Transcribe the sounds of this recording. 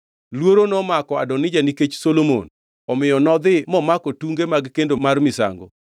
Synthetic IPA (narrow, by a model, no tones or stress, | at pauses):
lwoɾonɔmakɔa̰dɔnɪd͡ʒaniket͡ʃsolomo̰n | ɔmɪjɔnɔd̪ɪmɔmakotuŋɡemaɡkendomarmɪsa̰ŋɡo̰